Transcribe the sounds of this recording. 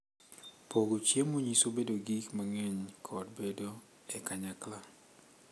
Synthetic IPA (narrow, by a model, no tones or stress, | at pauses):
poɡut͡ʃiemuɲisobedoɡikmaŋɛɲkʰɔt̚bɛdo | ɛkaɲakla